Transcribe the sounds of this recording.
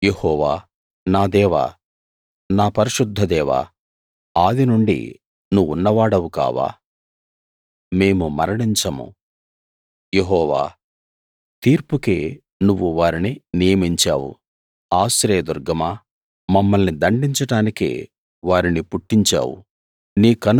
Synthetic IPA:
je̞hɔːʋaː | naːd̪ɛːʋa̰ː | naːpɐɾiʃud̪ʱːɐd̪ɛːʋa̰ː | aːd̪inuɳɖḭ | nuʋunːɐʋaːɽɐwuka̰ːʋa̰ː | me̞ːmumɐɾɐɽiɲt͡ʃɐmṵ | jeɦɔːʋa̰ː | t̪iːɾpukeː | nuʋːuʋaːɾininijɐmiɲt͡ʃa̰ːwṵ | aːsɾeːɐd̪uɾɡɐma | mɐmːɐlnid̪ɐɳɖiɲt͡ʃɐʈaːnikḛː | ʋaːɾinipuʈːiɲt͡ʃa̰ːwṵ | niːkɐn

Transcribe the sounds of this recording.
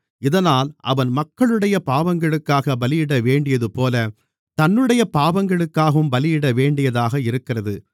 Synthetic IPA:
ɪðɐnaːlʔɐ̰ʋɐnmɐkːɐɭɯɽɐjɐpaːʋɐŋɡɐɭɯkːaːɣɐbɐlɪjɪɽɐʋeːɳɖɪjɐðɯpoːlɐ | t̪ɐnːɯɽɐjɐpaːʋɐŋɡɐɭɯkːaːɣɯmbɐlɪjɪɽɐʋeːɳɖɪjɐðaːɣɐɪɾɯkːɪrɐðɯ

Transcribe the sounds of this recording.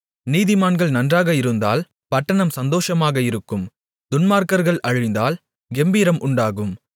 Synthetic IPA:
niːðɪmaːnɡɐɭnɐndraːɣɐɪɾɯnd̪a̰ːl | pɐʈːɐɳɐmsɐnd̪oːʂɐmaːɣɐɪɾɯkːɯm | d̪ʊnmaːɾkɐɾɣɐɭʔɐɻʊɪnd̪aːl | ɡɛmbiːɾɐmʔʊɳɖaːɣɯm

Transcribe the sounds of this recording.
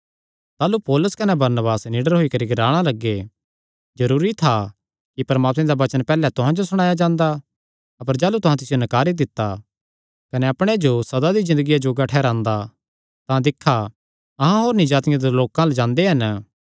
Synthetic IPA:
t̪aːlupɔːlʊskɐnɛbɐɾnəbaːsniːɖəɾɦoikɐɾiɡɐɾaːɽ̃alɐɡːe | d͡ʒɐɾuːɾit̪ʰa | kipɐɾɐmaːt̪mẽd̪aʋɐt͡ʃənpɛːlɛt̪ʊɦãd͡ʒosʊɽ̃ãːjad͡ʒãːnd̪a | ɐpəɾd͡ʒaːlut̪ʊɦãt̪̬ɪsɪjonɐkaːɾid̪ɪt̪ːa | kɐneɐpɽ̃ed͡ʒosɐd̪ad̪izɪ̃nd̪əɡijad͡ʒoːɡaʈʰɛːɾãːnd̪a | t̪ãd̪ɪkʰːa | ɐɦãɦoːɾnĩd͡ʒaːt̪ɪjãd̪eloːkãlɛd͡ʒãːnd̪eɦɐn

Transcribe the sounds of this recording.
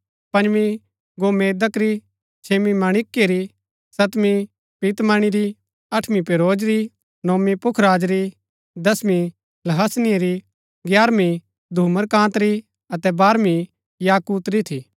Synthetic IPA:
pɐ̃nd͡ʒʋi | ɡoːmeːd̪əkɾi | t͡ʃʰeːmimaːɽ̃ɪkːeɾi | sɐt̪mi | piːt̪maːɽ̃iɾi | ɐʈʰmipeːɾoːd͡ʒɾi | noːmipʊkʰɾaːd͡ʒɾi | d̪ɐsmi | lɐɦɐsnɪeɾi | ɡjaːɾmi | d̪ʱuːməɾkãːt̪ɾi | ɐt̪ɛbaːɾmi | jaːkuːt̪ɾit̪ʰiː

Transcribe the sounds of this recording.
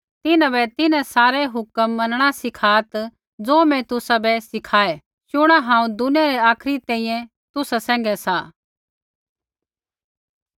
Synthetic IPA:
t̪ɪnãbɛt̪ɪnasaːɾɛɦʊkəmːɐnɽ̃asɪkʰaːt̪ | d͡zoːmɛ̃t̪ʊsabɛsɪkʰaːe | ʃʊɽ̃aɦãːũd̪ʊnjaɾɛaːkʰɾit̪ɛ̃ːĩjɛ̃ | t̪ʊsasɛ̃ːŋɡɛsaː

